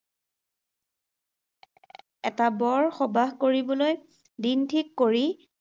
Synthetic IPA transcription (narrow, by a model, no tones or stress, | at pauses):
ɛ̰tabɔɹxɔbaɦkoɹibɔloj | dintʰikːoɹi